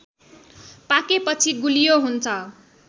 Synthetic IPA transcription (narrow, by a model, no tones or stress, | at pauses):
pakepʌt͡sʰiɡulijoɦunt͡sʰʌ